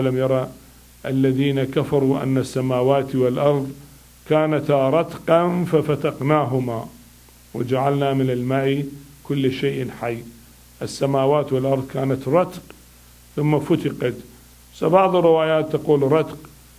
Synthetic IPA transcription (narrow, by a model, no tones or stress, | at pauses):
lamjɑɾˤɑ | ʔalːaðiːnakafɑɾˤuʔa̰nːasːamaːwaːt̪wɪlʔɑɾˤðˤ | kaːnat̪ɾˤɑt̪qɑnfafat̪ɑqnaːɦʊma | wɪ̰d͡ʒaʕalnamɪnɪlmaːʔikʊlːʃeːʔħajː | ʔɪsːamaːwaːt̪wɪlʔɑɾˤðˤkaːnat̪ɾˤɑt̪q | θʊmːafʊt̪ɪqɑt̪ | sabɑʕðˤɪrːɪwaːjaːt̪ːɑquːlɾˤɑt̪q